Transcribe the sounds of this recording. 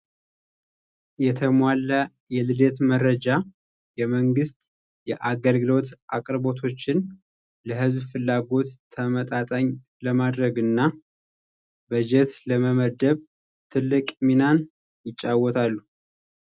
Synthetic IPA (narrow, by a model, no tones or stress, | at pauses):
jɛt̪ʰəmwalːə | jɛlɨlet̪məɾəd͡ʒa | jɛməŋɡɨst̪ʼ | jɛʔaɡəlɡɨlo̞t̪ʔakʼɾbo̞t̪ʰo̞t͡ʃːɪn | ləɦɨzbfɨlːaɡo̞t̪ʰːəmət̪ʼat̪ʼəɲ | ləmad̪ɾəɡɨnːa | bəd͡ʒɛt̪ləməməd̪əβ | t̪ʰɨlːɨkʼminan | jɪt͡ʃʼːawɔt̪ʰalːu